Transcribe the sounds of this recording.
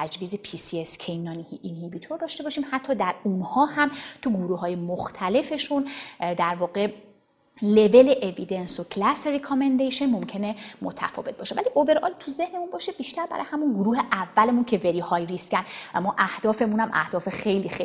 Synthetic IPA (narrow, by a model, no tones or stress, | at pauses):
æd͡ʒviːzepʰisiescʰejnːɒːniʔinhibit̪ʰoɾd̪ɒːʃt̪e̞bɒːʃiːmhæt̪ʰːɒːd̪æɾunhɒːhæmt̪ʰuɡuɾuːhɒːje̞moxt̪ʰæle̞fe̞ʃund̪æɾvɒːɣe̞ | le̞ve̞le̞ʔevid̪e̞nsokʰlæsɾikʰɔmend̪ejʃenmo̞mcʰe̞ne̞mot̪ʰæ̰fɒ̰ːve̞t̪̚bɒːʃe̞væliʔobe̞ɾʔɒ̰lt̪ʰuze̞hne̞munbɒːʃebiʃt̪æɾbæ̰ɾ̰ːjehæmunɡuɾuːhe̞ʔævːælemuncʰe̞veɾiːhɒːjriscænæmɒːʔæhd̪ɒːfe̞munæmʔæ̰hd̪̥ɒːfe̞xe̞jliːxe